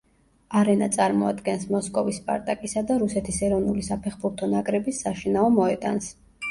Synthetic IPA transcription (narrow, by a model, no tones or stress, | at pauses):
aɾɛnat̪sʼaɾmɔa̰d̪ɡɛnsmɔskʼɔvispʼa̰ɾt̪ʼakʼisad̪aɾusɛt̪ʰisɛɾɔvnulisapʰɛχbuɾt̪ʰɔnakʼɾɛbisːaʃinaɔmɔɛd̪a̰ns